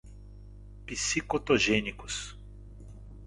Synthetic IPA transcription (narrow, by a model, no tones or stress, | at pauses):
pisikot̪oʒẽnikʊs